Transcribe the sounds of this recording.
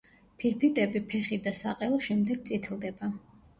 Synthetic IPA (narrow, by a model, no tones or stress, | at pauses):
pʰiɾpʰit̪ʼɛbipʰɛχid̪asa̰qʼɛlˠɔʃɛmd̪ɛɡ̥̚t̪sʼit̪ʰlˠd̪ɛba